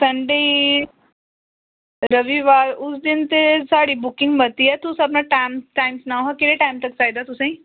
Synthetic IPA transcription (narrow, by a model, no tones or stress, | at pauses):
sɐ̃ɳɖəi | ɾɐʋiʋaːɾʊsd̪ɪnt̪esaːɽibʊkɪ̃ŋɡbɐt̪iɦɛt̪usɐb̬naʈaːmʈaːɪmsnaɦakɪleʈaːɪmt̪ɐk̚t͡ʃaːid̪aːt̪ʊsẽĩ